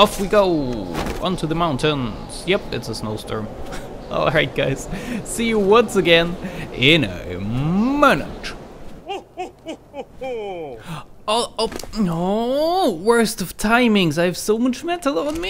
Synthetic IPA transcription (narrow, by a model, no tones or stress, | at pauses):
ɪfwiɡoʊʌ̰̃ntʰuðəmãʊ̃ntɨ̃n | z̥jɛpɨtsəsnoʊstɔ̰ɹm | ʔɔ̰lˠɹaɪt̚ɡ̥aɪz̥sijɨwʌ̃nsɨɡɛ̃nɪ̃nə̰ | mɪnɨ̰t | no | wɜ˞stʌv̥tʰãɪ̃mɪ̃ŋzaɪv̥soʊmʌt͡ʃmɛtəl̩ˠə̃n̩mi